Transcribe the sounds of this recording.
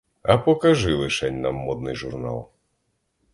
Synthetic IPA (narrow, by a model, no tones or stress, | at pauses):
ɐpɔkɐʒɪlˠɪʃɛnʲnɐ̰mːɔd̪̚nɪjʒʊrnɑ̰lˠ